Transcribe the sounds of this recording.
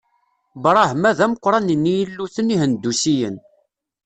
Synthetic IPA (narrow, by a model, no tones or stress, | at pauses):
bɾˤɑhmæðæməqʷːɾˤɑnənːijəlːuθənihənd̪ːusijə̰n